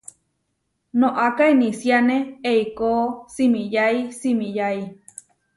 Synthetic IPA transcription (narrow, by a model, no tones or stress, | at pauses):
nõʔakainisianeeikosimĩjaisimĩjai